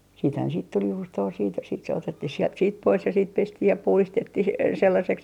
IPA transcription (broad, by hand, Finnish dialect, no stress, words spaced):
siːthæn siːt tul juːstoː siːt sit se otetːih siɛlt siːt pois jɑ siːt pestih jɑ puhlistetːih selːɑseks